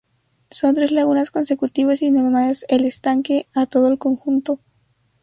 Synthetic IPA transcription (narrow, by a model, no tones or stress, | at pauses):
so̞nt̪ɾe̞zlaɣ̞unasko̞nse̞kut̪iβasinoɾmaðeselest̪aŋke̞at̪o̞ðoelko̞ŋxunt̪o